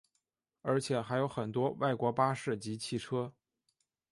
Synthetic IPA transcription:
ə˞˧˥t͡ɕʰjɛ˨˩xa˧˥ɪjo˧˥ʊxə˨˩nt̪wɔ˥wa˥˩ɪkwɔ˧˥pa˥ʂɻ̩˥˩t͡ɕi˧˥t͡ɕʰi˥˩ʈ͡ʂʰɤ˥

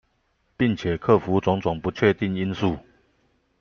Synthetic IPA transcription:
pi˥˩ŋt͡ɕʰjɛ˨˩kʰɤ˥˨fu˨˦t͡sʊ˧˥ŋt͡sʊ˨˩ŋpu˨˦t͡ɕʰɥɛ˥˧t̪i˥˨ŋi˦˥nsu˥˩˨

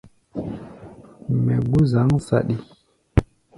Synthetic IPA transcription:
mɛ˨ɡu˦za˨˦ŋsa̰˨ɗi˦

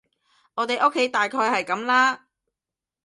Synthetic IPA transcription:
ŋɔː˨˧t̪e˨jʔo˥kʰːe˨˥jt̪aː˨jkʰɔː˧jhɐ˨jkɐ˨˥mlaː˥

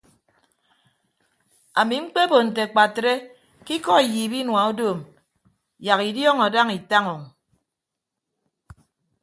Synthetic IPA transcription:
a˨mi˨ŋ͡m̩˦k͡pe˦bo˨n̩˨te˨k͡pa˨tɾe˦ | ki˦kɔ˦i˨jiː˨bi˦nwa˨u˦doː˦˨m | ja˨ki˨djɔ˦ŋa˨da˦ŋi˨ta˦ŋɔ˨ŋ˨

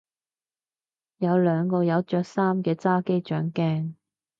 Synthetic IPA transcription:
jɐ˨˧wlœː˨˧ŋkɔː˧jɐ˨˧wt͡ʃœː˧k̚saː˥mkɛː˧t͡saː˥ke˥jt͡ʃœː˨˥ŋkɛː˥ŋ

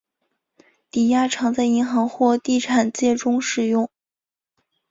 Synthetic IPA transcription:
t̪i˨˩ja˥ʈ͡ʂʰɑ˧˥ŋt͡sa˥˩ɪi˧˥ŋxɑ˧˥ŋxwɔ˥˧t̪i˥˩ʈ͡ʂʰa˨˩nt͡ɕjɛ˥˩ʈ͡ʂʊ˥ŋʂɻ̩˨˩jʊ˥˩ŋ

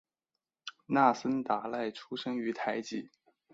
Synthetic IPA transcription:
na˥˩sə˥nt̪a˧˥la˥˩ɪʈ͡ʂʰu˥ʂɤ˥ŋy˧˥t̪ʰa˧˥ɪt͡ɕi˧˥

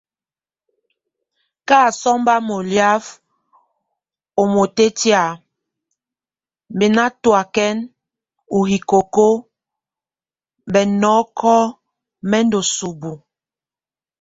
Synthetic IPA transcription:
kaː˦˨sɔ˦mba˦mo˨lja˦f | o˨mo˨te˦ti˦a˦˨ | m˨be˨na˦twa˨kɛ˦n | u˨hi˨ko˨ko˦˨ | bɛ˨nɔː˨˦kʰɔ˦ | mɛ˦ndo˨su˨bu˨

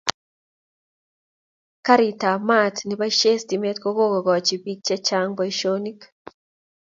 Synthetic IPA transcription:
ka˦ɾi˨ta˨ma˦tni˨ba˦ʃe˦sdi˨me˦tko˦ɡo˦ɡo˨ɡɔ˨t͡ʃi˨bi˦k̚t͡ʃɛ˦t͡ʃa˦ŋba˦iʃo˦ni˦k

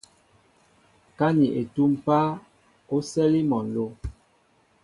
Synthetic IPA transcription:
ka˦ni˨ʔe˨tu˦m˦pa˦ | o˦sɛ˦li˦mɔ˨n˨lo˦

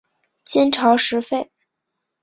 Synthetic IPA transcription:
t͡ɕɛ˥nʈ͡ʂʰɑ˧˥ʊʂɻ̩˧˥fe˥˩ɪ

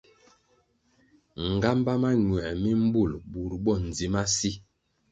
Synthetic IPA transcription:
ŋ̩˨ɡa˦mba˦ma˦ɲwɛ˨mi˦m̩˦bu˦˨lbu˨ɾbɔ˦˨n̩˨zi˨˦ma˦si˦

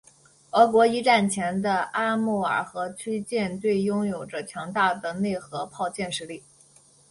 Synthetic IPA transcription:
ɤ˧˥kwɔ˧˥i˧˥ʈ͡ʂa˥˩nt͡ɕʰjɛ˧˥nd̪ə˧a˥mu˥˩ə̰˞˨˩xɤ˧˥t͡ɕʰy˥t͡ɕjɛ˥˧nt̪we˥˩ɪjʊ˥ŋjo˨˩ʊʈ͡ʂə˦t͡ɕʰjɑ˧˥ŋt̪a˥˩d̪ə˩ne˥˩ɪxɤ˧˥pʰɑ˥˧ʊt͡ɕjɛ˥˧nʂɻ̩˥li˥˩

